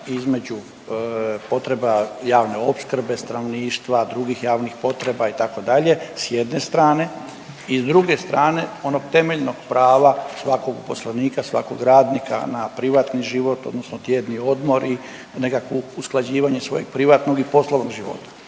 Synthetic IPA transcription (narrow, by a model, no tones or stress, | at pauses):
izme̞d͡ʑu | po̞t̪ɾe̞bajaːʋne̞opskr̩be̞st̪anoʋniːʃt̪ʋad̪ɾuɡixjaːʋnixpo̞t̪ɾe̞bait̪ako̞d̪aʎe̞sjed̪nest̪ɾaːne̞ | izd̪ɾuɡe̞st̪ɾaːne̞o̞no̞ɡ̥t̪e̞me̞ʎnoɡ̥pɾaːʋasʋako̞ɡupo̞slaniːkasʋa̰ko̞̰ɡɾaːd̪nikʰa̰napɾiʋat̪niʒiʋo̞t̪o̞d̪nosnot̪jed̪nio̞d̪mo̞ɾi | ne̞kakʋousklˠad͡ʑiːʋaɲe̞sʋo̞̰je̞ɡ̚pɾiʋat̪no̞ɡipo̞slˠoʋnoɡʒiʋo̞̰t̪ḁ